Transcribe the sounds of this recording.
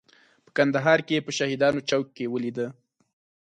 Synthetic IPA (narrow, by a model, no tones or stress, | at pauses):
pə̥kand̪aɦɑɾkeepəʃahid̪ɑnot͡ʃawkːewəlid̪ə